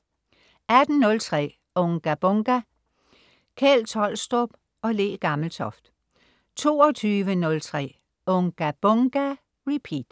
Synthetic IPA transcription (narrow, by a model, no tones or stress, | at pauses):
æd̥n̩nɔ̽lt͡sʰʁɛ̰ː | ɔ̽ŋɡ̥æb̥ɔŋɡ̥æ | kʰɛlt͡sʰɒl̰sd̥ɔb̥ | ɒ̽le̝̰ːɡ̥ɑ̈ml̩t͡sʰɒ̽fd̥ | t͡sʰo̝̰ːɒt͡sʰyːʋənɔ̽lt͡sʰʁɛ̰ː | ɔŋɡ̥æb̥ɔŋɡ̥æ | ʁipʰiːd̥